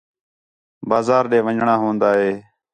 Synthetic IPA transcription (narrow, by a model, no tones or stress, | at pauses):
baːzaːɾɗeːʋəɲɳaːɦõːnd̪aːɦeː